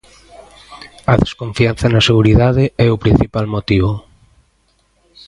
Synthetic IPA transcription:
ɐðeskoɱfianθɐnɐseɣuɾiðaðɪɛʊpɾin̟θipalmot̪iβʊ

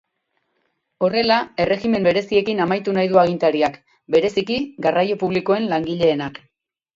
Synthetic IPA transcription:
o̞re̞lae̞re̞ɣime̞mbe̞ɾe̞sie̞kinamajt̪unajðuaɣ̞int̪aɾiak | be̞ɾe̞sikiɡarajo̞puβ̞liko̞e̞nlaŋɡiʎe̞ːnak

